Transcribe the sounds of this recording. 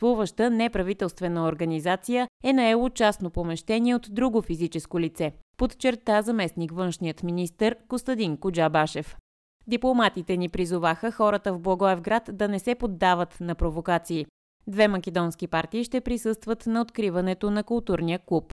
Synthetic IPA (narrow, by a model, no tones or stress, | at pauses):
slˠuvəʃt̪ənɛpɾɐvit̪ɛlˠst̪vɛnəoɾɡɐnizat̪sijəɛnɐɛlˠot͡ʃasnopomɛʃt̪ɛniɛot̪d̪ɾuɡofizit͡ʃɛskolit̪sɛpot̪t͡ʃɛɾt̪azɐmɛsnikvɤnʃnijət̪minist̪əɾkost̪ɐd̪iŋkʊd͡ʒabaʃɛf | d̪iplˠomat̪it̪ɛnipɾizʊvaxəxɔɾət̪əvblˠɐɡɔɛvɡɾat̪d̪ɐnɛsɛpod̪ːavət̪nɐpɾovokat̪siː | d̪vɛmɐkʲɛd̪ɔnskipaɾt̪iːʃt̪ɛpɾisɤst̪vət̪nɐot̪kɾivɐnɛt̪onɐkʊlˠt̪uɾnijəklˠup